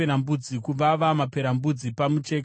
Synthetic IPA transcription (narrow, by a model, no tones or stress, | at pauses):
eɾambud͡zikuʋaʋamape̞ɾambud͡zipamut͡ʃe̞ːk